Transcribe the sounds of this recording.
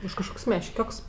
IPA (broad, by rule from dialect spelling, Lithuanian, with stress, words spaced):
ʊʃ kɐʃˈkoːkʲsʲ mʲɛʃʲˈkʲoːks